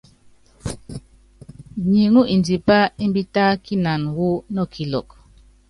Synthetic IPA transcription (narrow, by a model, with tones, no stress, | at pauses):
ɲi˨ŋu˦ʔi˨ndi˨pa˦i˦m˦bi˦taː˦ki˦na˨nwu˦nɔ˦˨kʰi˨lɔ̰˨k̚